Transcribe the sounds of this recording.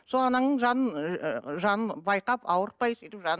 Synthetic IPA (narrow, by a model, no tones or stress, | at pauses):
solˠɑnɑɴnəɴʒɑnənʒɑnənbɑjqɑpɑwəɾt̪̚pɑjsijt̪ɪpʒɑn